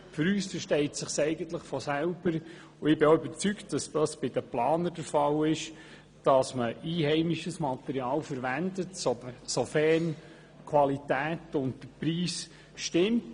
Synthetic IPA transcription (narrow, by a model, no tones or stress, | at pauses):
fʏɾyːsfəɾʃtɛɪtsɪχsɛɪɡənt̪ləχfɔsælb̥əɾ | uɪbɪoybəɾt͡syktd̥ɑsd̥ɑsb̥ɪd̥əplɑːnəd̥əɾfɑlɪʃ | d̥ɑsməʔiːhɛɪmiʃəsmɑt̪ɛɾiɑːlfəɾʋændətssɔfɛn | kʰwɑlitæːtʊntdəpɾiːs | ʃtɪmt